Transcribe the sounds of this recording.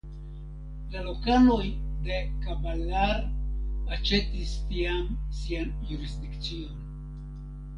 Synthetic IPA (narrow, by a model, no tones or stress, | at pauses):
lalo̞kalo̞jd̪e̞kabalaɾat͡ʃe̞tistiamsianjuɾisd̪ikt͡sio̞n